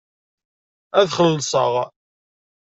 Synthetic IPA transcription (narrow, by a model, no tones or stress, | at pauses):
æðχəllsˤə̰ʁ